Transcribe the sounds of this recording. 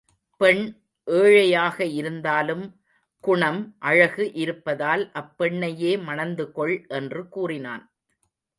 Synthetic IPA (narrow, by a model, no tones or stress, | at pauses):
pɛɳ | ʔeːɻɐjaːɣɐɪɾɯnd̪aːlɯm | kʊɳɐmʔɐɻɐɣɯʔɪɾɯpːɐðaːlʔɐpːɛɳːɐjeːmɐnɐnd̪ɯkɔɭʔɛndrɯkuːrɪna̰ːn